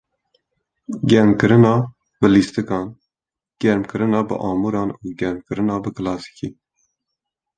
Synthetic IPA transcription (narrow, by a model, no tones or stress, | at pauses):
ɡʲɛɾmkɨɾɨnɑː | bɨliːst̪ɨkɑːn | ɡ̥ɛɾmkɨɾɨnɑːbɨ̰ʔɑːmuːɾɑːnuːɡɛɾmkɨɾɨnɑːbɨkɨlɑːsi̥kiː